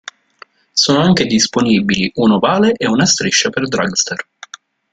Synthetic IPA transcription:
soːnoaŋk̟ed̪isponibiliʔunovaːleʔeunast̪ɾiʃːaperd̪ɾa̰ɡst̪er

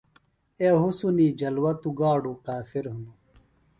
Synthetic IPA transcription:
eɦusuniːd͡ʑɐlwɐt̪uɡaːɖukaːfiɾɦunu

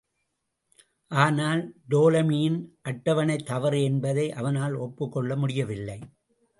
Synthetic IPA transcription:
ʔaːnaːld̪oːlɐmijɪnʔɐʈːɐʋɐnɐɪt̪ːɐʋɐɾɛnbɐðɐɪʔɐʋɐnaːlɔpːɯkːɔɭːɐmʊɽɪjɐʋɪlːɐɪ

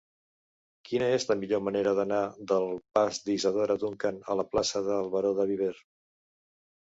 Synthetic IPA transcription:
kinəezləmiʎoməneɾəðənad̪əlˠpazd̪izəð̞oɾəd̪uŋkanə̰ləplasəðəlˠβəɾoðəβ̞iβ̞eɾ

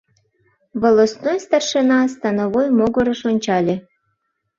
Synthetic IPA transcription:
βolˠosnojst̪ɑrʃenɑst̪ɑnoβojmoɡoɾɤ̆ʃonʲt͡ɕɑlʲe

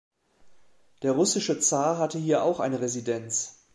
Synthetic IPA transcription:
d̥eːɐʁ̞ʊsɪʃət͡saːɦatəhiːɐʔa̰ʊxʔa̰ɪnəʁezidɛnt͡s

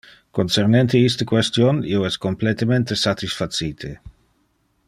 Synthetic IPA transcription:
konsernent̪eist̪ekwɛst̪jonioɛskomplet̪ement̪esat̪isfasiːt̪ʰe

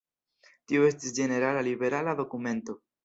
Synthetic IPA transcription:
tioe̞stisd͡ʒe̞ne̞ɾalalibe̞ɾalado̞kume̞nto̞

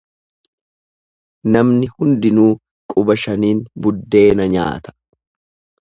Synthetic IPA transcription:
nɐmnɪhʊnd̪ɪnuː | kʼʊbɐʃɐniːnbʊd̪ːe̞ːnɐɲa̰ːt̪ɐ̥

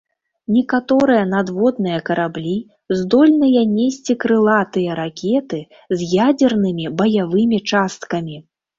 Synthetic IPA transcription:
nʲɛkat̪ɔɾɨjɐnad̪vɔd̪nɨjɐkɐɾablʲi | zd̪ɔlʲnɨjɐnʲesʲt͡sʲikɾɨlˠat̪ɨjɐɾakʲɛt̪ɨ | zʲjad͡zʲɛrnɨmʲibɐjavɨmʲit͡ʂast̪̚kɐmʲi

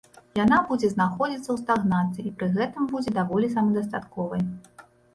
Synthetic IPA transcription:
janabud͡zʲɛznaxɔd͡zʲit̪sɐwst̪aɣnat̪sɨipɾɨɣɛt̪ɨmbud͡zʲɛd̪avɔlʲisɐmɐd̪ɐst̪at̪kɔvɐj

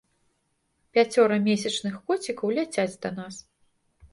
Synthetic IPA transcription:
pʲat͡sʲɔɾɐmʲesʲɐt͡ʂnɨxkɔt͡sʲikɐwlʲat͡sʲat͡sʲd̪ɐnas

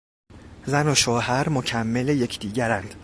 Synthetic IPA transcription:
zænoʃoːhæɾmocʰæmːe̞leje̞cʰd̪iːɟæɾænd̪̥

